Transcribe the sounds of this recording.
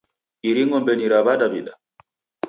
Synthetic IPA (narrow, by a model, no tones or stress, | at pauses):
ʔiɾiŋɡɔmbɛniɾabadabiɗa